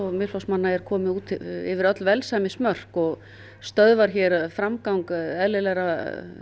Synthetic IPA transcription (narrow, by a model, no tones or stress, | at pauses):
ɔɣmɪ̥fawsmanːaɛɾ̥kʰɔːmɪuːt̪ɪ̰vɪɾœt̪lvɛlsamɪsmœr̥kɔɣ | st̪œðvaɾ̥çɛɾfɾamkawŋkɛðlɪlɛɾa